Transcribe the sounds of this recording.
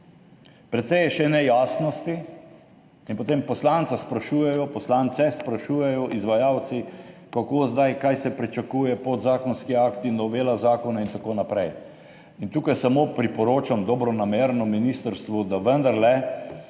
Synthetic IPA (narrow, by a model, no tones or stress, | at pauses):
pɾɛt̪sɛjɛʃɛnɛjaːsnɔst̪i | inpot̪empɔslaːnsaspɾaʃuːjɛjɔpɔslant̪sɛspɾaʃuːjɛjɔʔizʋajaːwt̪sikakoːzd̪ajkajsɛpɾit͡ʃakuːjɛpɔtd̪zaːkɔnskiaːkt̪inɔʋeːlazaːkɔnaint̪akoːnapɾɛj | int̪uːkajsamoːpɾipɔɾoːt͡ʃamd̪ɔbɾɔnameːɾnɔminist̪əɾst̪ʋud̪aʋənd̪aɾlɛ